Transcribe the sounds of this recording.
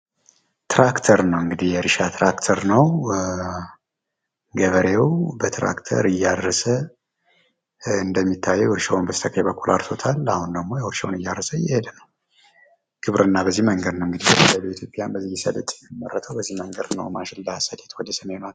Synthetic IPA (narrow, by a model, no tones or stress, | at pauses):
t̪ʰɾakt̪ʰəɾnəwɨŋɡɨd̪ihjɛɾɨʃat̪ʰɾakt̪ʰəɾnəw | ɡəβəɾewbət̪ʰɾʔa̰kt̪ʰə̰ɾɨjːadɾəsə | ɨnd̪əmːit̪ʰːajːɛʊɾʃawnbət̪ə̥t̪ʰəkʰajbəkːulʔa̰ɾso̞t̪ʰalahund̪əɡmo̞jɛwʊɾʃa̰wnɨjːaɾːəsəjɪhed̪ənəw | ɡ̥ʰɨβɾɨnːabəzːihməŋɡəd̪nəwɨŋɡɨd̪ihləlit̪ʰjo̞pʼjanbəzːijːɪsə̰lət̪ʼjɛmːərːət̪ʰəwbəzːihməŋɡəd̪nə̰wmat͡ʃɪlləhasat̪ʰet̪wɔd̪əsəmenat̪